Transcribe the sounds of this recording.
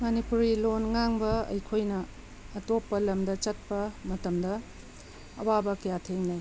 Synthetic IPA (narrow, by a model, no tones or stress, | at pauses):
mɐnipuɾilonŋaŋbɐɐ̰jkʰojnɐː | topːɐlɐmdɐt͡ʃɐt̚pɐmɐtɐmdɐ | ɐ̰wabɐkɐjatʰeŋnaj